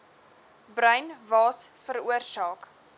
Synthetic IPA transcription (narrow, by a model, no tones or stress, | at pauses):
brœɥnvɑːsfəɾuərsɑːk